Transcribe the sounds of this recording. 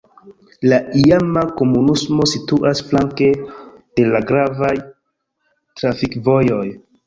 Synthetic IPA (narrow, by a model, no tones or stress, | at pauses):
laiamako̞munusmo̞situʔasflaŋke̞d̥e̞laɡɾavaj | tɾafikvo̞jo̞j